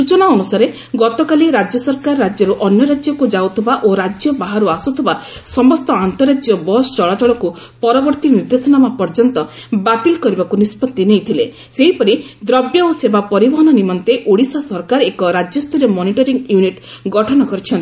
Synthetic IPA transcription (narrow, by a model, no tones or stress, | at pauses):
sut͡ʃɔnaɔnusaɾe | ɡɔt̪ɔkaliɾad͡ʒjɔsɔɾkaɾːad͡ʒjɔɾuʔɔnjɔɾad͡ʒjɔkud͡ʒawt̪ʰibaʔoɾad͡ʒjɔbaɦaɾuasut̪ʰɔba | sɔmɔst̪ɔant̪ɔɾad͡ʒjɔbɔst͡ʃɔɭat͡ʃɔɭɔku | pɔɾɔbɔɾt̪iniɾd̪esɔnamapɔɾd͡ʒɔnt̪ɔbat̪ilkɔɾibakunispɔt̪ːinejt̪ʰile | seɦipɔɾid̪ɾɔbjɔosebapɔɾibɔɦɔnɔnimɔnt̪eʔoɽisasɔɾkaɾekɔɾad͡ʒjɔst̪ɔɾjɔmɔniʈɔɾiŋjuniʈ | ɡɔʈʰɔnɔkɔɾit͡ʃʰɔnt̪i